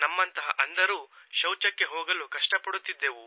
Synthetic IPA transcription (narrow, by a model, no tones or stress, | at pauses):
nɐmːɐnt̪ɐɦɐ̰ʔɐnd̪ɐɾuːʃɐwt͡ʃɐkːe̞ɦoːɡɐlukɐʂʈɐpɐɽut̪ːid̪ːe̞ːʋu